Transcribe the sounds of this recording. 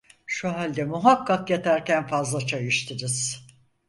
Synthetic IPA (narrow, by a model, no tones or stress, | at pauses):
ʃuɦalʲd̪ɛmuɦakːakjet̪ʰæɾcænfazlˠat͡ʃʰajɯʃt̪ʰiɾiz̥